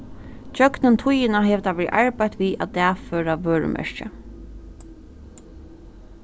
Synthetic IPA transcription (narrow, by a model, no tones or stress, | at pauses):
t͡ʃœknɪnt̪ʰʊjɪnaɦɛːʋt̪ʰaʋɛːɾḭʔaɹpajt̪ʋiːʔa̰t̪ɛːføːɾaʋøːɹə̰mʔɛ̰ɹcə̰